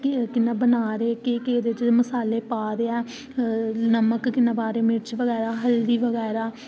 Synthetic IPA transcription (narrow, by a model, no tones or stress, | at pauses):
kɪnːãːbənaːɾeːkekeːd̪et͡ʃməsaːleːpaːɾeːɛː | nəməkkɪnːãːbaːɾeːmɪɾt͡ʃʋəɣɛːɾaːɦəlɾiːʋəɣɛːɾaː